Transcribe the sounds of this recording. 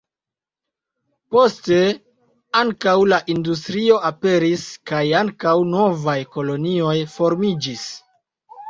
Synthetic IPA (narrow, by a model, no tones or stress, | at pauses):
po̞ste̞ | aŋkawlaʔindustɾio̞ʔape̞ɾiskajaŋkawno̞vajko̞lo̞nio̞jfo̞ɾmid͡ʒis